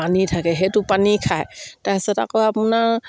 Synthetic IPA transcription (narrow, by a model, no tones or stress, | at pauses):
anitʰakɛɦetupanikʰajtajsɛta̰kɔapunaɹ